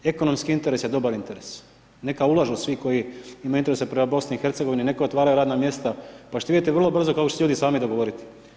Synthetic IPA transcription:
e̞ko̞no̞mskiint̪e̞ɾe̞sjed̪o̞baɾint̪eɾes | ne̞kaulˠaʒuusʋiko̞jiimajuint̪eɾesepɾemabo̞sniixe̞ɾt̪seɡoʋininekojot̪ʋaːɾajuɾaːd̪namje̞st̪apaʃt̪oid̪it̪eʋɾr̩lˠo̞br̩zo̞kakot͡ɕeseʎuːd̪isaːmid̪o̞ɡo̞ʋo̞ɾit̪i̥

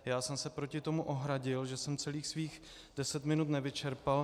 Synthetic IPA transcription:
jaːsɛmsɛpɾo̞cɪt̪o̞muʔo̞ɦɾaɟɪlʒɛsɛmt͡sɛliːxsviːx | d̥ɛsɛt̪mɪnut̪nɛvɪt͡ʃɛɾpal

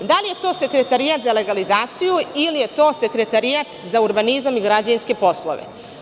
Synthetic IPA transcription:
d̪alije̞t̪o̞ːse̞kɾe̞t̪aɾijat̪zale̞ɡalizaːt̪sijuilije̞t̪o̞ːse̞kɾe̞t̪aɾijat̪zauɾbanizamiɡɾad͡ʑajinske̞po̞slo̰ʋḛ

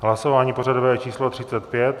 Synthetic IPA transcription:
ɦlasovaːɲiːpo̞radovɛːt͡ʃiːslot̪r̝̥ɪt͡sɛt̪pjɛt̪

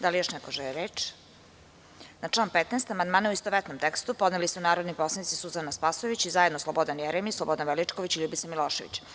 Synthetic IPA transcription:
d̪alijoʃnɛkoʒɛliɾeːt͡ʂ | nat͡ʂlaːnpet̪nest̪amand̪maːnauist̪oʋɛt̪nomt̪ekst̪upod̪nelisunaːɾod̪niposlanit̪sisuzanaspasoʋit͡ɕizajed̪noslˠobod̪anjɛɾemislˠobod̪anʋelit͡ʂkoʋit͡ɕilʎubitsamilˠoːʃeʋḭt͡ɕ

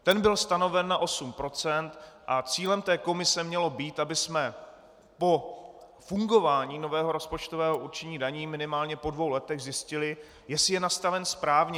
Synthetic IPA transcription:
t̪ɛnbɪlst̪ano̞vɛnːaʔo̞sumpɾo̞t͡sɛnt̪ʔat͡siːlɛmt̪ɛːko̞mɪsɛmɲɛlo̞biːt̪ʔabɪsmɛ | po̞ | fuŋɡo̞vaːɲiːno̞vɛːɦo̞ɾo̞spo̞t͡ʃt̪ovɛːɦo̞uɾt͡ʃɛɲiːdaɲiːmɪnɪmaːlɲɛpo̞dvo̞wlɛt̪ɛɣzjɪscɪlɪ | jɛsɪjɛnast̪avɛnspɾaːvɲɛ

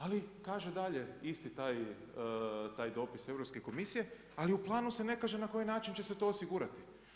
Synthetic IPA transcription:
alikaːʒed̪aʎe̞ist̪it̪aːj | t̪aːjd̪o̞ːpise̞vɾopske̞ko̞misije̞ | aliuplˠaːnuse̞ne̞kaʒe̞nako̞jinaːt͡ʃint͡ɕe̞se̞t̪o̞ːosiɡuːɾat̪i̥

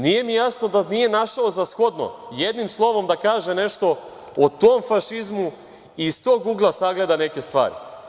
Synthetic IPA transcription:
nije̞mijasno̞d̪anije̞naʃaozasxo̞d̪no̞̰je̞d̪nimslˠo̞ʋo̞md̪akaːʒene̞ʃt̪o̞ | ot̪omfaʃizmu | ist̪oːɡːuɡlˠasaɡle̞d̪ane̞ke̞st̪ʋa̰ːɾḭ

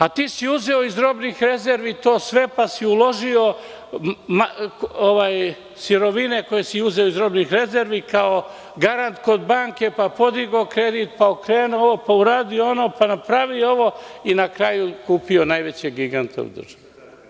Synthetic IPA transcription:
at̪iːsiuze̞o̞izɾo̞bnixɾe̞ze̞ɾʋit̪o̞ːsʋe̞pasiulo̞ʒio̞ | maoʋaːj | siɾo̞ʋine̞ko̞jesiuze̞oizɾo̞bnixɾe̞ze̞ɾʋikao̞ | ɡaɾant̪ko̞d̪baːŋke̞papo̞d̪iɡokɾed̪it̪paokɾeːnooʋopauɾaːd̪ioonoːpanapɾaʋio̞ʋo̞inakɾajukuːpio̞najʋe̞t͡ɕeɡiɡant̪ʰḛṵd̪r̩ʒ̥aʋe

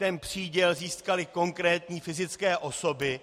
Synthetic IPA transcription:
t̪ɛnpr̝̥iːɟɛlziːskalɪko̞ŋkɾɛːt̪ɲiːfɪzɪt͡skɛːʔo̞so̞bɪ

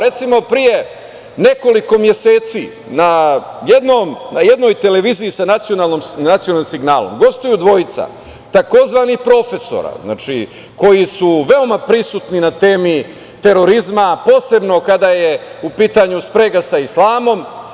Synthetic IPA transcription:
ɾe̞t̪simo̞pɾije̞ | ne̞ko̞liko̞mje̞se̞ːt̪si | na | jed̪nomnaje̞d̪no̞ːjt̪e̞le̞ʋiːziisanat̪sijo̞naːlˠnomnat̪sijoalnimsiɡnaːlo̰mɡo̞st̪ojud̪ʋo̞jit̪sa̰ | t̪ako̞zʋaːnixpɾo̞fe̞so̰ɾa̰zna̰ːt͡ʃḭ | ko̞jisuʋe̞o̞mapɾisut̪ninat̪eːmi | t̪e̞ɾo̞ɾizmapo̞ːse̞bno̞kad̪ajeupiːt̪aɲuspɾeɡasaislˠaːmo̞m

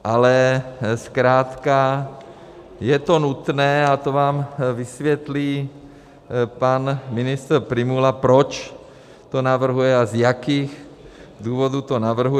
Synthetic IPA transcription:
ʔalɛskɾaːt̪ka | jɛt̪ɔnut̪nɛːat̪ɔʋaːmʋisʋɪɛt̪liː | panminist̪ɾpɾimulapɾɔt͡ʃ | t̪ɔnaʋr̩ɦujɛazjakiːɣ | d̪uːʋɔd̪ut̪ɔnaʋr̩ɦu

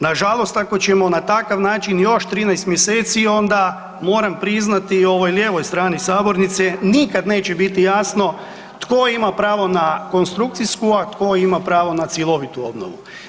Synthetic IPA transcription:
naʒalˠo̞st̪ako̞t͡ɕemo̞nat̪akaʋnaːt͡ʃinjo̞ʃt̪ɾiːnɛjst̪mjeseːt̪sio̞nd̪a | mo̞ːɾampɾiznat̪io̞ʋo̞jlje̞ːʋo̞jst̪ɾaːnisaːbo̞ɾnit̪senikad̪neːt͡ɕebit̪ijaːsno̞ | t̪ko̞imapɾaːʋo̞nako̞nst̪ɾuk̚t̪siskuat̪ko̞imapɾaːʋo̞nat̪sjelˠo̞ʋit̪uo̞bno̰ʋṵ

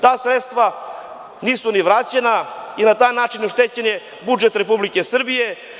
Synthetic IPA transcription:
t̪aːsɾet̪st̪ʋa | niːsuniʋɾat͡ɕenainat̪aːjnaːt͡ʃinoʃt̪et͡ɕenje | bud͡ʒet̪ɾepublikesr̩bije

